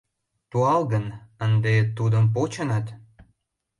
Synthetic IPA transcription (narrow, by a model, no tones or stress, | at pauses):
t̪uɑlɣənənd̪et̪ud̪əmp̬ot͡ɕə̆nət̪